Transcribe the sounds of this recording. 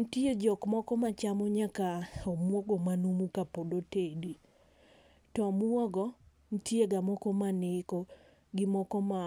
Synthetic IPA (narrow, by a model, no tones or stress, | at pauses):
n̩tied͡ʒɔkmɔkɔmat͡ʃamɔɲakaomwɔɡɔmanumukapodotedi | tɔmwɔɡɔ | n̩tjeɡamɔkɔmanɪkɔ | ɡɪmɔkɔma